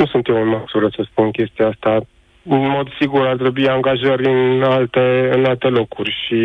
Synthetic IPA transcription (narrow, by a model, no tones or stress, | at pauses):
usunt̪emɨnmaksuɾəsəspunkʲe̞st̪iaast̪a | ɨnmo̞d̪siɡurart̪̬ɾe̞buiaŋɡaʒəɾʲɨnalt̪eɨnalt̪e̞lo̞kurʲʃi